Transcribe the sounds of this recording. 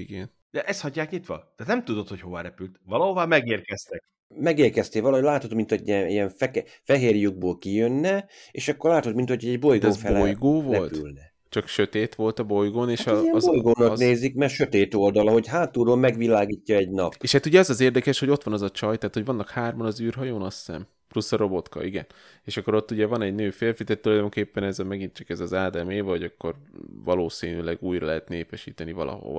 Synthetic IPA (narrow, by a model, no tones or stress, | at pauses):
iɡɛn | d̪̥ɛʔɛst̪hɒɟːaːkit̪ʋɒ̰d̪̥ɛnɛmt̪ud̪ot̪ho̞cho̞va̰ːɾɛpylt̪vɒlɒɦovaːmɛɡeːrkɛst̪ɛk̚ | mɛɡeːrkɛst̪eːʋɒlɒɦoɟlaːt̪hot̪mint̪oɟiɛijɛɱfɛk | fɛɦeːrjuɡ̚boːlkijønːɛeːʃɒkːo̞rlaːt̪ot̪mint̪hocʰoɟɛɟbo̞jɡ̪oːfɛlojɡoːvoɛltp̪y̰lnɛ | t͡ʃɒkʃøt̪eːt̪ʋo̞lt̪ɒbo̞jɡoːneːʃiɛmbojɡoːnɒkneːzikmɛrʃø̞t̪eːt̪o̞ld̪ɒlɒɦo̞cɦaːt̪uɾoːlmɛɡʋilaːɡiːcːɒɛɟnɒpːeːʃhat̪uɟɛɒzɒzeːrd̪ɛkɛʃho̞ɟo̞t̪ʋɒnɛzɒt͡ʃɒjt̪ɛaːt̪ho̞ɟvɒnːɒkhaːrmɒnɒzyːrɦɒjoːnɒsːɛ̰m | plusːɒɾo̞bo̞t̪kɒ̰ʔiɡɛ̰n | eːʃɒkːo̞ɾo̞t̪ːuɟɛvɒnɛɟnøːfeːlfid̪ɛt̪ːulɒjd̪o̞mkeːpːɛnɛzmɛɡint͡ʃɒkɛzɒzaːd̪ɛmeːvɒoɟɒkːo̞rvɒloːsiːnylɛɡuːjrɒlɛɦɛt̪neːpɛʃiːt̪ɛnivɒ̰lɒ̰ɦo̰